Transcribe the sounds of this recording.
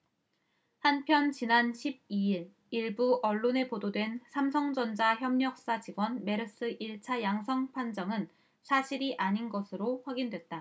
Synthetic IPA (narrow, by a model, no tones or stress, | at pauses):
hanpʰjʌnt͡ɕinanɕʰib̚iiɾ | iɭbuʔʌɭːone̞pododwe̞nsʰamsʰʌŋd͡ʑʌnd͡ʑaçjʌmɲʌk̚s͈at͡ɕiɡwʌnme̞ɾɯs͈ɯʔiɭt͡ɕʰajaŋsʰʌŋpʰand͡ʑʌŋɯn | sʰaɕʰiɾiʔaɲinɡʌsʰɯɾoɸwaɡindwe̞t̚t͈a